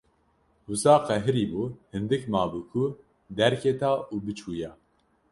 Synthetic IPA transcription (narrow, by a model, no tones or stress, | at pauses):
husɑːqɛɦɨɾiːbuːhɨnd̪ɨkmɑːbukʰu | d̪ɛɾkʰet̪ʰaːʔuːbɨt͡ʃʰuːjɛ